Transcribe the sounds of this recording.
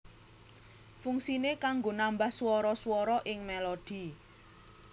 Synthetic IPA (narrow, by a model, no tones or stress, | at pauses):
fuŋsinekaŋɡonambahswɔɾɔswɔɾɔʔɪŋmelod̪̥i̤